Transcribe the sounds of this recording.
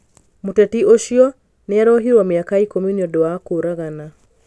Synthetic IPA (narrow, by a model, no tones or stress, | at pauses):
motɛtioʃiɔ | neaɾɔɦiɾwameakaikɔmjuniɔdowakoɾaɣana